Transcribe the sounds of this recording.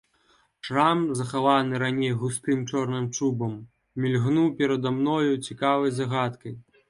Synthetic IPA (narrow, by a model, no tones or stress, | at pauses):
ʂramzɐxavanɨɾanʲejɣust̪ɨmt͡ʂɔrnɨmt͡ʂubɐmːʲ | ilʲɣnupʲɛɾɐd̪amnɔjut͡sʲikavɐjzaɣat̪kɐj